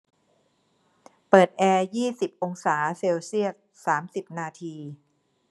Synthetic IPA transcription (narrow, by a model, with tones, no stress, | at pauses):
pɤː˨˩t̪̚ʔɛː˧jiː˥˩si˨˩p̚ʔo˧ŋsaː˩˦seː˧wsi˥˩əs̚ | saː˩˦msi˨˩p̚naː˧t̪ʰiː˧